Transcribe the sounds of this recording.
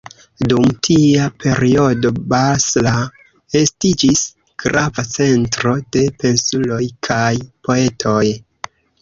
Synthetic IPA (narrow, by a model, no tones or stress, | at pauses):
dumtʰiapʰe̞ɾio̞do̞basla | e̞stid͡ʒis | ɡ̥ɾavat͡se̞ntɾo̞de̞pe̞nsulo̞jkʰajpo̞e̞tʰo̞j